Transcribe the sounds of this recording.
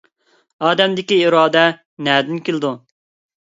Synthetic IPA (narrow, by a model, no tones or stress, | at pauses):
ɑːd̪ɛmd̪ɪkʲiiɾɑːd̪ɛ | nɛd̪ɪnkʲelɪd̪u